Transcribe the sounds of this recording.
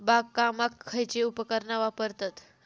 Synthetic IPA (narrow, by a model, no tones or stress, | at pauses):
bakːamakʰːəjt͡ʃeupəkəɾnaʋapəɾt̪at̪